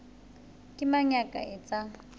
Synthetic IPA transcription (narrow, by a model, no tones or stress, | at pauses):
kʼɪmaɲakʼa̰ɛt͡sʼa